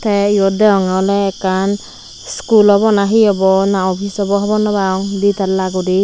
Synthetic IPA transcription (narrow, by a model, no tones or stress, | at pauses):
t̪ʰɛijɔd̪ɛɔŋɔlɛːkan | skulɔbɔnaɦiɔbɔnaɔpʰisɔbɔɦɔbɔnɔbaɔŋd̪it̪alːaɡudi